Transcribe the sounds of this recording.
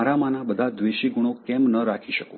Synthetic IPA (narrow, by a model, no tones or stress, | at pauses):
aɾamanabəd̪ʱad̪ʋeʃiɡuɽ̃okɛmnəɾakʰiʃəkũ